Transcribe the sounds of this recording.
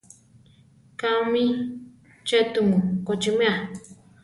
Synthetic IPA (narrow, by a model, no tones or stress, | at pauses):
kamĩ | t͡ʃet̪umukot͡ʃimẽa